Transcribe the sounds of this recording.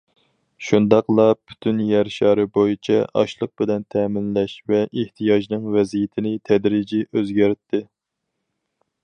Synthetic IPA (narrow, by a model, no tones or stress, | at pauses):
ʃund̪ɑqlˠɑpʰy̥t̪ʰynjæɾʃɑːɾɨbojit͡ʃʰɛʔɑ̰ʃlˠəq̚b̥ɪlɛnt̪ʰɛmɪnlɛʃvɛʔeht̪ʰijɑʒnɨŋvɛzijɪt̪ʰɪnɪt̪ʰɛd̪ɾid͡ʒiʔøzɡʲæɾt̪ʰːɪ